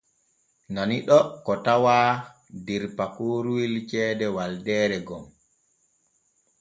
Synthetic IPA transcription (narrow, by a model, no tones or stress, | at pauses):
naniɗɔkɔtawaː | diɾpakoːɾuwilt͡ʃɛːdɛwaldɛːɾɛɡɔm